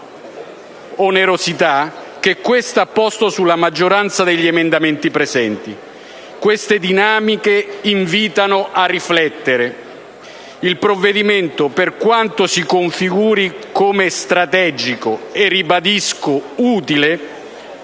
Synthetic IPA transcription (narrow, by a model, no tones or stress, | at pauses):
oneɾosit̪ak̟ekːwest̪aapːɔst̪osulamad͡ʒːoɾant̪sad̪eʎːiemend̪ament̪ipɾezɛnt̪i | kwest̪ed̪inaːmikeiɱviːt̪anʊʔarːiflɛt̪ːeɾe | ilpɾovːed̪iment̪operkwant̪osikoɱfiɡuːɾikomest̪ɾat̪ɛd͡ʒikoerːibad̪iskouːt̪ile